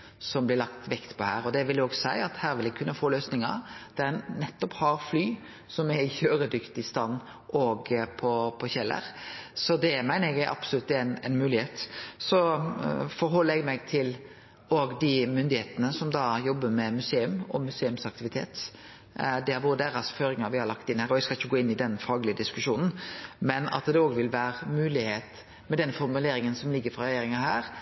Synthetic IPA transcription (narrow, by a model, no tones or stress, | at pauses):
sɔmblɪɾlɑkt̪ʋɛkt̪pʰɔhæːɾɔd̪ɛʋɪljoːɡsæɪɑt̪hæːɾʋɪlɛɡkʰʉnːəfoːløːsnɪŋə̰ɾd̪̥ɛænnɛt̪ːɔphɑɾflyː | sɔmæɾɪçøːɾəd̪ʏkt̪ɪst̪ɑnː | ʔɔɡpʰɔpʰɔçɛlːə̰ɾsɔd̪ɛmæɪnəɛɡæʔɑ̰pslʉt̪ːænɛnmʉːlɪheːt̪sɔ | fɔɾɦɔlːəɛɡmɛɡt̪ʰɪl | oːɡd̪ɪmʏnd̪ɪheːt̪ənəsɔmd̪ɑːjɔbːəmɛmʉseːʉmɔ̰mʉseːʉmsɑk̚t̪ɪʋɪt̪ʰḛːt̪ | d̪ɛhɑɾʋoːɾəd̪eːɾɑsføːɾɪŋɑʋɪhɑɾɭɑkt̪ɪnːhæːɾɔɛɡskɑlɪçːəɡoːɪnːɪd̪ɛnfɑːɡəlɪəd̪ɪskʉʃuːnn̩mɛnɑ̰t̪d̪ɛoːɡʋɪlʋæːɾmʉːlɪheːt̪ | mɛd̪ɛnfɔɾmʉleːɾɪŋənsɔmlɪɡːəɾfɾʁɑɾɛjeːɾɪŋɑhæːɾ